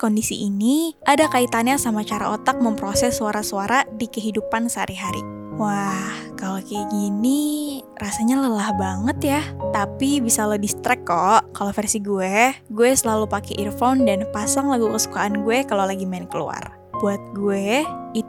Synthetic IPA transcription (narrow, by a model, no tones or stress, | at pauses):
kondisiʔiniʔadakait̪anjasamat͡ʃaɾa̰ot̪ak̚məmpɾosɛsːuaɾasuaɾadikəɦidupansəa̰ɾiɦaɾḭ | wah | kalokɛɡini | rasaɲaləlahbaŋət̪jat̪apibisalodist̪ɾɛkːɔʔkalofɛrsiɡuɛɡuɛsəlalupakɛʔirfandanpasaŋlaɡukəsu̥kaanɡuɛkalolaɡimaɪnkəlṵa̰r | b̥uat̪̚ɡuɛi